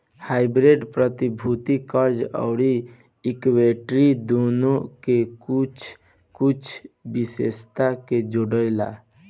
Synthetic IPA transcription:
haɪbɾeɖpɾət̪ibʱut̪ikəɾd͡ʒə̰ʊɾiː | kweʈɾid̪onokekut͡ʃʰ | kut͡ʃʰbisḛst̪aked͡ʒoɽəɪla̰

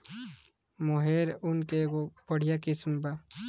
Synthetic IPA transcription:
moɦeɾunkeɡopəɽ̤ijakismba

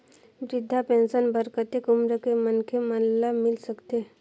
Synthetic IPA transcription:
bɾɪd̪ʱːapẽːnʃənbəɾkət̪ekʊmɾəkemənkʰeməllamɪlsəkt̪e

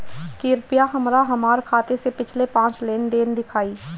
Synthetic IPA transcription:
kɪɾpɪjaɦəmɾaɦəmaːɾkʰaːt̪esepɪt͡ʃʰlepãːt͡ʃleːnd̪eːnd̪ɪkʰaːiː

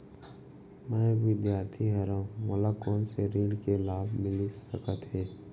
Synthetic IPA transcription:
mɛ̃ːʋɪd̪jaːɾt̪ʰiɦɛɾãmoːlakɔːnseɾiːɽkelaːbʱmɪlisəkət̪ɦɛː

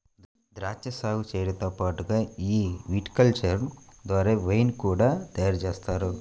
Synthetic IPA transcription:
d̪ɾaːt͡ʃjɐsaːɡut͡ʃɛːjɐɽɐnt̪oːpaːʈuɡaːiːʋiʈkɐlt͡ʃɐɾmd̪ʋaːɾeːʋejnkuːɽaːt̪ɐjaːɾɐt͡ʃeːst̪aːɾu

